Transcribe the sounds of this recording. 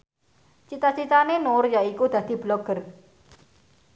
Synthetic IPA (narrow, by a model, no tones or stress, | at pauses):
t͡ʃit̪at͡ʃit̪anenorjaikud̪̥ä̤d̪̥i̤blɔɡ̥ər